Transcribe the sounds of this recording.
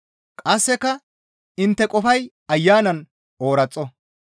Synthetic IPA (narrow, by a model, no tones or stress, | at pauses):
kʼɐsːɛkɐ | ɪnt̪ːɛkʼɔfɐj | ɐjːaːnɐn | o̞ːɾɐt͡sʼːɔ